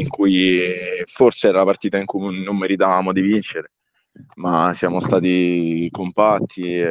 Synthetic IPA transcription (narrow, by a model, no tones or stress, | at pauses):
iŋkuj | forseɛːɾalapart̪iːt̪aiŋkuunomːeɾit̪avaːmod̪ivint͡ʃeɾe | masjaːmost̪aːt̪ikompat̪ʰːi